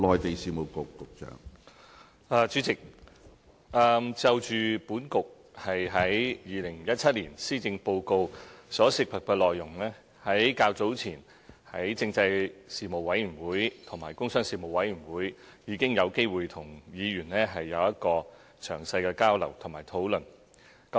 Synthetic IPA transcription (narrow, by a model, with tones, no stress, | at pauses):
lɔː˨jt̪e˨jsiː˨mo˨˩wkʊ˨kːʊ˨k̚t͡ʃœ̰ː˨˥ŋ | ɐː˨˧t͡ʃyː˨˧˥t͡sɪ˨k̚ | ʔɐː˨˧mt͡sɐ˨˧wt͡ʃyː˨puː˨˥nkʊ˨k̚ | hɐ˨jɦɐ˨˥jjiː˨˧lɪ˨˩ŋjɐ˥t̚t͡sʰɐ˥t̚liː˨˩nsiː˥t͡sɪ˧ŋpo˧wko˧wsɔː˨˥sɪ˨k̚pʰɐ˨˩p̚kɛ˧lɔː˨jːʊ˨˩ŋlɛː˥ | hɐ˨˥jkaː˧wt͡so˨˥wt͡sʰiː˨˩n | hɐ˨˥jt͡sɪ˧ŋt͡sɐ˧jsiː˨mo˨˩wɐ˨˥jɥyː˨˩wuː˨˥jt̪ʰʊ˨˩ŋma̰ː˨˩jkʊ˥ŋsœː˥ŋsiː˨mo˨wɐ˨˥jɥy˨˩nwuː˨˥j | jiː˨˧kɪ˥ŋjɐ˨˧wke˥jwuː˨jt̪ʰʊ˨˩ŋjiː˨˧ɥyː˨˩nlɛː˥ɦɐ˨jːɐ˨˧wjɐ˥t̚kɔː˧ | t͡ʃʰœː˨˩ŋsɐ˧jkɛː˧kaː˥wlɐ̰˨˩wt̪ʰʊ˨˩ŋmaː˨˩jt̪ʰo˨˥wlɵ˨˩n | kɐ˨˦